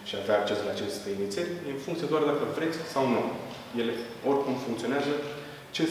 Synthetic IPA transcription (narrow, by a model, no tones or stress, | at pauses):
ʃiavaːk̚t͡ʃe̞sɨlat͡ʃe̞st̪einit̪sijeɾʲjenfuŋkt̪ied̪oard̪akəvɾe̞t̪sʲsawnu | je̞le̞ | o̞rʲkumfuŋkt̪sioneazə | t͡ʃe